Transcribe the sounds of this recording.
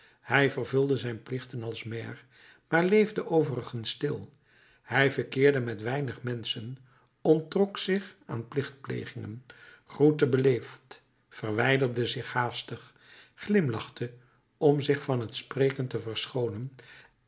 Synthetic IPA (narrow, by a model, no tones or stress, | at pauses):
hɛjvərvɵlˠdəzɛjnplɪχtənɑlˠsmɛːr | maːɹlejvdəʔowvərəχənstɪlˠ | hɛjvəkɪːɹdəmɛtʋɛjnəχmɛnsən | ɔntrɔksɪχa̰ːnplɪχt̚plḛjχɪŋə̰n | χrutəbəlejft | fərʋɛjdərdəzɪχhaːstəχ | χlɪmlɑχtə | ɔmzɪχfɑnɦətspreːkəntəvərsχownən